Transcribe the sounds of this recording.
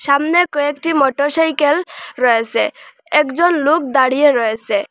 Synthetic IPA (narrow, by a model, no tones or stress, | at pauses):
samnɛkɔek̚ʈimɔʈɔɹsajkelɹɔesɛ | ɛkzɔnlok̚d̪aɽijeɾɔesɛ